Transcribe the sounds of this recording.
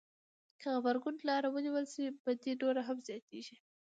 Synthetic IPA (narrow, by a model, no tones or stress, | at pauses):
kəɣabaɾɡʊnlɑɾawəniwəlsibad̪iɖoɾaɦamzjɑt̪eʒi